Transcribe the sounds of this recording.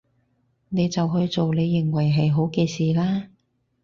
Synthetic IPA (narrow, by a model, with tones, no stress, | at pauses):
ne˨˧jt͡sɐ˨wɦɵ˧jt͡so˨wne˨˧jːɪ˨˩ŋwɐ˨˩jɦɐ˨jɦo˨˥wke˧jsiː˨laː˥